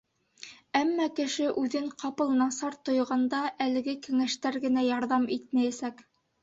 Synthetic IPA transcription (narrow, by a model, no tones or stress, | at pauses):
æmːɑkɘ̆ʃɘʔʉðɘɴqʰɑpɤ̆lˠnɑsɑɾt̪ŏjʁɑnd̪ɑʔælɘ̆ɡɘkæŋæʃt̪æɾɡɘ̆næjɑɾðɑmit̪̚mæjæsæk